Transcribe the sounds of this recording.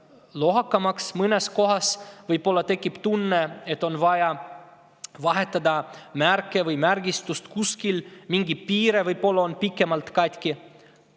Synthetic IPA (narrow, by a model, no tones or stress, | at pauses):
lo̞ɦɑkːɑmɑksmɤnesko̞ɦɑsvɯjpːo̞lːɑt̪e̞kˑːipt̪unːeet̪ːˑo̞nvɑjɑ | vɑɦet̪ːˑɑd̪ɑmærkːˑevɯjmærɡist̪ust̪kuskilmiŋɡipiːɾevɯjpo̞lːɑonpikːˑe̞mɑlt̪kɑjt̪ʲki